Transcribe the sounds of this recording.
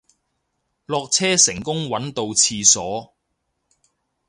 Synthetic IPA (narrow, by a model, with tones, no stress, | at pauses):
lɔː˧k̚t͡sʰɛː˥sɪ˨˩ŋkʊ˥ŋwɐ˨˥nt̪o˧wt͡sʰiː˧sɔː˨˥